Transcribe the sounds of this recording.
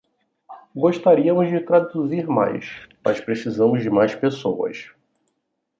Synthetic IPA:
ɡoʃt̪aɾiɐmʊzd͡ʒɪt̪ɾad̪uziɾma̰jsmɐ̰ʃpɾesizɐ̃mʊzd͡ʒɪmajspesowɐ̰s

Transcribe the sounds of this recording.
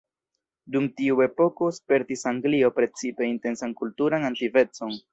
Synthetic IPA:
dumtiue̞po̞ko̞spe̞ɾtisaŋɡlio̞pɾe̞t͡sipe̞inte̞nsankultuɾanantive̞t͡so̞n

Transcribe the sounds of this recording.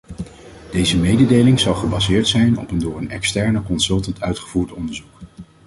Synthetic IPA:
d̥ejzəmejdədejlɪŋzɑlˠχəbɑzɪːɹtsɛjnɔ̰pəndʊːɹənɛ̰kstɛɹnəkɔnsɵlˠtəntʰœɥtχəvuːɹtɔndəɹzuk

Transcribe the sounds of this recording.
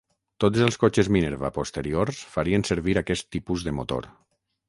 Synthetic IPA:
t̪ot̪zəlˠskot͡ʃəzmineɾβa̰post̪əɾioɾsfaɾiənsəɾβiɾakɛst̪ːipuzðəmo̰t̪o̰ɾ

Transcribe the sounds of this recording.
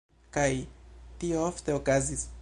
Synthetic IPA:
kajtiooft̪e̞okazis

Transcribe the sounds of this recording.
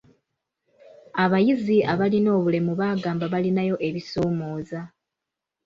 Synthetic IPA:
aβajiziaβalino̞ːβule̞muβaːɡaːmbaβalinajo̞ʔe̞βiso̞ːmo̞ːza

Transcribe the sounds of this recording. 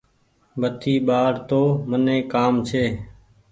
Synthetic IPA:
bət̪ʰiːɓaːɽt̪oːmənẽːkaːmt͡ʃʰeː

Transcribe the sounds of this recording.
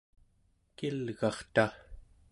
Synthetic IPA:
kilɣɑχt̪a

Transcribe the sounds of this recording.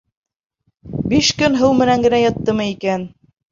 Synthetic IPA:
biʃkɵnɦɤwmɘ̆næŋɡɘ̆næjɑt̪ːɤmɤikæn

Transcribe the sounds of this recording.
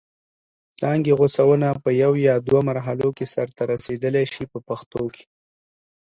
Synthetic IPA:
t͡sɑŋɡeɣosawənapəjawjɑd̪wamaɾɦalokesaɾt̪aɾased̪əleʃipəpaxt̪okʰe̥

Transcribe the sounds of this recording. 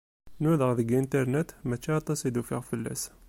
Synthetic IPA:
nuðəʁðəɡint̪əɾnət̪mæt͡ʃːiɑt̪ˤːɑsid̪ufiʁfəlːæ̰s

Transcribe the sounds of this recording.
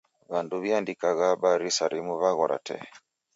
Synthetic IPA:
βanduβjandikaɣaɓaɾisaɾimuβaɣɔɾʔa̰tɛ̰

